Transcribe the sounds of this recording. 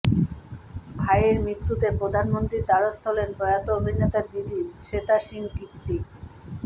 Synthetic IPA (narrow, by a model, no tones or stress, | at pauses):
bʱajeɾmɾit̪ːut̪epɾod̪ʱanmont̪ɾiɾd̪aɾost̪ʰolenpɾɔjat̪oobʱinet̪ad̪id̪iʃet̪aʃiŋkit̪ːi